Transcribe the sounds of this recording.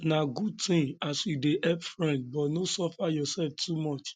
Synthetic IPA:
naɡud̚tĩŋasjudeʔɛpfɹɛ̃nd̚bɔtnosɔfajɔsɛlftʰumɔt͡ʃ

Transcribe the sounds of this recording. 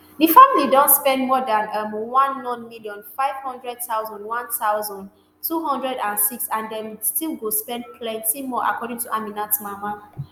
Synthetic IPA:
difamilidɔ̃ntspɛ̃ndmɔdãnamwãnːɔ̃nmiljɔ̃nfaɪv̥hɔ̃ndɹɛd̚taʊzɔ̃ndwãntaʊzɔ̃nd | tʰuɦɔ̃ndɹɛdãnsiksãndɛ̃nstilɡospɛ̃ndpʰlɛ̃ntimɔʔa̰kʰɔdĩŋtuʔaminatmama

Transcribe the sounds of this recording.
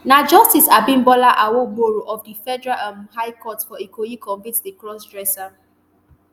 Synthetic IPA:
nad͡ʒɔstisabĩmbɔlaʔawoboɹoʔɔfdifɛdɛɹaamɦajkɔtfɔikʰojikɔ̃ɱvĩtdikɹɔs̬dɹɛsa

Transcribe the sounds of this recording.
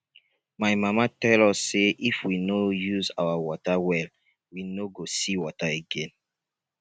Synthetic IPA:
maɪmamatɛlɔsːeʔifwinojuza̰wawɔtawɛl | winoɡosiwɔtaeɡɛ̃n

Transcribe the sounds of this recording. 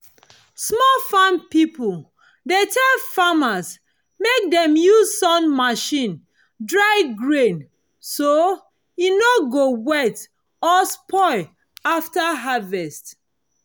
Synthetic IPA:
smɔlfãnpipul | detʰɛlfamas | mek̚dɛ̃mjuzsɔ̃nmaʃĩn | dɹaɪɡɹẽn | so | inoɡowɛt | ɔspʰɔɪ | aftaɦavɛst

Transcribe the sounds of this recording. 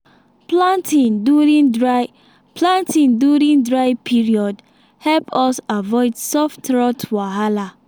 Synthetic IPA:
plãntʰĩnduɹĩndɹaɪ | pʰlãntʰĩnduɹĩndɹaɪpʰiɹiɔd | hɛlpʰɔsavɔɪdsɔftɹɔtwaɦala

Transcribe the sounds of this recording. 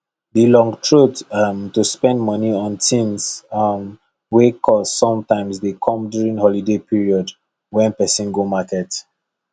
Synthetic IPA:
dilɔ̃ŋɡtʰɹutmtuspɛ̃ndmʌniɔ̃ntĩnsm | wekʰɔzsɔ̃mtãɪmzðekʰɔ̃mduɹĩnhɔlidepiɹiɔd | wɛ̃npɛsɔ̃nɡomakɛt

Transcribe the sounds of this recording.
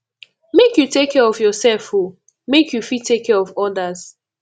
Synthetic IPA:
mekjutekʰːɛɹɔvjɔsɛlfho | mekʰjufitʰekʰːɛɹɔvɔdaz̥

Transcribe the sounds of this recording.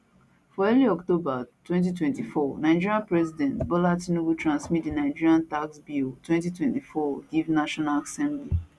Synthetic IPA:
fɔɛliɔktobatwɛ̃nt̬itwɛ̃ntifɔnaɪd͡ʒiɹiãnpɹɛzidɛ̃ntbɔlatĩnowutɹãnsmit̚dinaɪd͡ʒiɹiãntaksbiltwɛ̃ntitwɛ̃ntifɔɡivnaʃɔnalasɛ̃mbli

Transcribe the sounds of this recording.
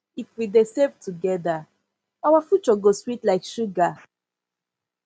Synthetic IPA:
ifwidesɛvtuɡɛda | awafjut͡ʃɔɡoswitlaɪkʃuɡa

